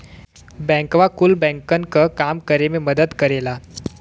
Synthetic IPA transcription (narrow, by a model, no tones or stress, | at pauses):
bɛ̃ŋkʋakulbɛ̃ŋkənkəkamkəɾememəd̪əd̪kəɾela